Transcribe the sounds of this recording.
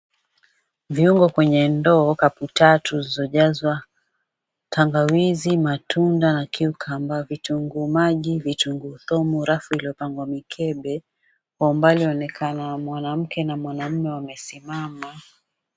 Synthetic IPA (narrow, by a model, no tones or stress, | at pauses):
viuŋɡɔkwɛɲɛndɔːkaputatuzizɔʄazwa | tʰaŋɡawizimatundanakʰiukʰambavituŋɡumaʄivituŋɡuθɔmuɾafuiliɔpaŋɡwamikʰɛɓɛ | kɔmbaliɔnɛkʰanamwanam̩kɛnamwanam̩mɛwamɛsimama